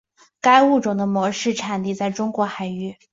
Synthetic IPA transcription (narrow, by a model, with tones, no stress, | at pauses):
ka˥ɪu˥˩ʈ͡ʂʊ˨˩ŋd̪ə˦mwɔ˧˥ʂɻ̩˥˩ʈ͡ʂʰa˨˩nt̪i˥˧t͡sa˥˩ɪʈ͡ʂʊ˥ŋkwɔ˧˥xa˨˩ɪy˥˩